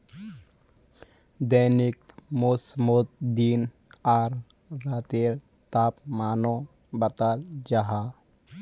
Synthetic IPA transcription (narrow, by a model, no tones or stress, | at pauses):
d̪əːnikmosmot̪̚d̪iːn | aːɾː | aːt̪eɾ | t̪aːpmaːnõ | bət̪aːld͡ʒaɦaː